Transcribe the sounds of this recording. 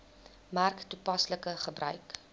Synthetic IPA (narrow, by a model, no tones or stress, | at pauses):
mærktupɐsləkəχəbrœɥk